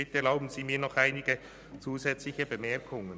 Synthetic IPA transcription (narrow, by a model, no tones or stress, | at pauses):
ɪtəɛɐlaʊbn̩z̥iːmiːɐnɔχaɪnɪɡə | t͡suːzɛt͡slɪçəbəmɛɐkʰʊŋən